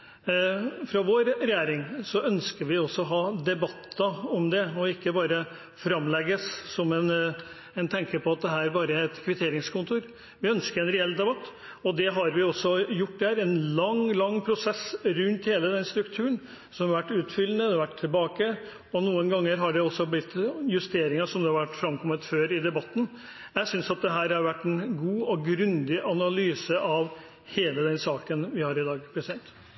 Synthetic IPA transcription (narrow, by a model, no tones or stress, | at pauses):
fɾɑʋoːɾɾɛjeːɾɪŋsɔʔœnskəɾʋɪɔsːɔɦɑːd̪ɛbɑt̪ːɑɔmd̪ɛɔɪkːəbɑːɾə | fɾɑmːlɛɡəsːɔmɛn | ɛnt̪ʰɛŋkəpʰɔɑt̪̚d̪ɛɦæːɾæɾbɑːɾəæɛt̪kʰʋɪt̪ʰeːɾɪŋskʰʊnt̪ʰuːɾ | ʋɪœnskəɾɛnɾɛɛld̪ɛbɑt̪ː | ɔd̪ɛɦɑɾʋɪɔsːɔjʊʈːd̪æːɾɛnlɑŋlɑŋːpʰɾʊsɛsɾʉnt̪heːləd̪ɛnst̪ɾʉkt̪ʰʉːɾəɳ | sɔmʋæʈːʉːt̪fʏlːənəd̪ɛʋæʈʰːɪlbɑːkə | ɔnuːənɡɑŋːəɾɦɑɖɛɔsːɔblɪt̪ːjʉst̪eːɾɪŋəsɔmd̪ɛhɑɾʋæʈːfɾɑmkʰɔmːət̪føːɾɪd̪ɛbɑt̪ːn̩ | jæɪsʏnsɑt̪̚d̪ɛɦæːɾɑɾʋæʈːɛnɡuːɔɡɾʉnd̪ɪʔɑnɑlyːsəʔɑʋ | heːləd̪ɛnsɑːkənʋɪhɑɾɪd̪ɑːɡpʰɾɛsɪd̪ɛnt̪